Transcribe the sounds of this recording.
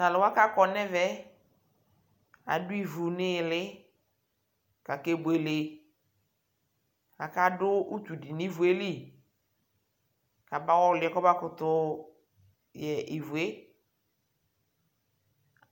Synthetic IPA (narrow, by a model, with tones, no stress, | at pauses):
ta˨lɪ˨wa˦ka˦kɔ˨nɛ˦vɛ˦ | a̰˨dʊ˦i˨vu˨nɪ˦˨lɪ˦ | ka˨ke˦bʊ˨e˨lɪ˨ | a˨ka˦dʊ˦u˦t̪u˨di˨ni˦vu˨e˦li˦˨ | ka˨ba˦wɔ˦lɪ˨ɛ˨˦kɔ˦ba˦kʊ˨t̪ʊ˦ | jɛ˨ʔi˨vu˨e˦